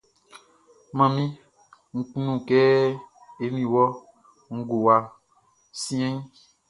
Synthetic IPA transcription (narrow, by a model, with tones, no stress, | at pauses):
mã˨mĩ˦ | ŋ̩˨k͡pu˦nũ˦˨kɛ˦ | e˦mĩ˨wɔ˦ | ŋ̩˦˨ɡo˨wa˨ | sĩ˦ɛ̃˦